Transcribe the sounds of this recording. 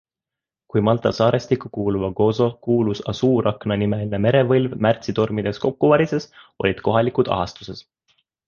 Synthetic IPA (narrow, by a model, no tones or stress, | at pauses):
kujmɑlt̪ˑɑsɑːɾest̪ikːˑukuːluvɑɡ̥o̞so̞kuːlusɑsuːrɑknɑnime̞lʲine̞me̞ɾe̞vɤlvmært̪sit̪o̞rmid̪̥e̞sko̞kːuvɑɾise̞sʔo̞̰lʲid̪̥ko̞ɦɑlikud̪̥ɑ̰ɦɑst̪u̥se̞s